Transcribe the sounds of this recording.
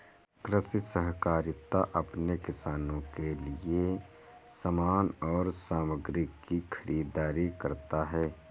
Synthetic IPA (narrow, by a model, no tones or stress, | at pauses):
kɾɪsɪsəɦkaːɾɪt̪ːaʔɐpnekɪsaːnõkelɪe | səmaːnɔːɾsaːməɡɾɪkːikʰəɾʔiːd̪aːɾikɐɾt̪aɦɛː